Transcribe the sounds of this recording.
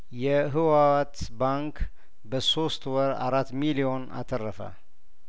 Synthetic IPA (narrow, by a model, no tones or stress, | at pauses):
jɛɦɨwawat̪baŋk | bəso̞st̪wɔɾa̰ɾat̪ːmilio̞na̰t̪ʰərːəfə̰